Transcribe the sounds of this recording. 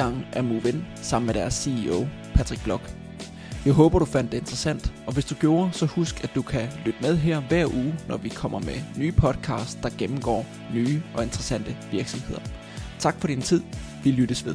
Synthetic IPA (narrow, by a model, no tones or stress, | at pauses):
ɑ̈ŋ̰ʔæɐmuʋen | sɑ̈m̰n̩meɾ̥æɐsːiio̰ʊ | pʰæd̥ʁiɡ̥̚b̥lɒ̽ɡ̥ | jɑ̈ɪɦɔ̽ːb̥ɐɾ̥ufæn̰d̥ːe̝e̝nd̥ʁɐsæn̰d̥ | ɒ̽ʋe̝sd̥uɡ̥jo̝ːɐsɒ̽husɡ̥æd̥ukʰælyd̥əmeð̞ˠɦeɐ̰ʋæɐ̰ʔuːnɒʋikʰɒ̽m̰ɐmenyːpʰɒ̽d̥kʰɑ̰̈ːsd̥̚ːɑ̈ɡ̥emm̩ɡ̥ɒ̰ː | nyːʔɒ̽e̝nd̥ʁɐsæn̰d̥əʋiɐɡ̥sɒ̽mhe̝ð̞̰ˠɐ | t͡sʰɑ̈ɡ̥fɒ̽ɾ̥int͡sʰið̞̰ˠ | ʋilyɾ̥əsʋe̝ð̞ˠ